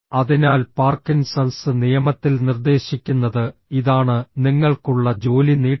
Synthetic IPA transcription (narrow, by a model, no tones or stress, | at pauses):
ɐðinaːlpaːrkinsɐlsɨnijɐmɐt̪ːilnird̪e̞ːɕikʲːunːɐðɨiðaːɳɨniŋːɐɭkuɭːɐd͡ʑo̞ːliniː